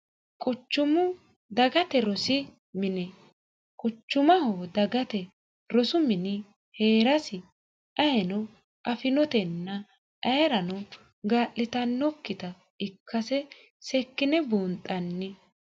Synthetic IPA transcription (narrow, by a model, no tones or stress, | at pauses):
kʼʊt͡ʃːʊmʊ | d̪ɐɡɐt̪ɛɾɔsɪ | mɪnɛ | kʼʊt͡ʃːʊmɐhoːd̪ɐɡɐt̪ɛ | ɾɔsʊmɪnɪ | heːɾɐsɪ | ʔɐjɛnɔ | ʔɐfɪnɔt̪ɛnːɐ | ʔɐɾɐnɔ | ɡaːʔɪt̪ɐnːɔkːɪt̪ɐ | ɪkʰːɐsɛ | sɛkːɪnɛbuːnt̪ʼːɐnːɪ